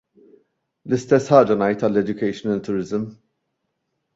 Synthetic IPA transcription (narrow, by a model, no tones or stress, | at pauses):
lɪst̪ɛsːħɐːd͡ʒɐnɐjt̪ɐlːɛd͡ʒ̪jʊkɛjʃnɐlt̪ːʊɾɪzm